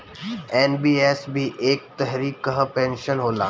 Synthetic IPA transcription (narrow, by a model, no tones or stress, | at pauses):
eːnbiːesbʱiʔeːk̚t̪ɛɦɾiːkːəɦpẽːnʃənɦoːla̰ː